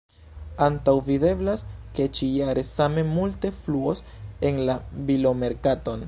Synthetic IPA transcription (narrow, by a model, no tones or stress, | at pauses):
antawvide̞blaske̞t͡ʃijaɾe̞same̞multe̞fluo̞s | e̞nlabilo̞me̞ɾkato̞n